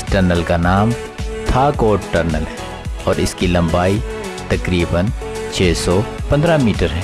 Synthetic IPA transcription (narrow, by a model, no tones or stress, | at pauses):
sʈəɾnəlkanaːm | t̪ʰaːkoːʈʈəɾnəlɦɛː | ɔːɾɪskilɐ̃mbaːi | t̪ɐkɾiːbən | t͡ʃʰeːsɔpɐ̃nd̪ɾamiːʈəɾɦɛː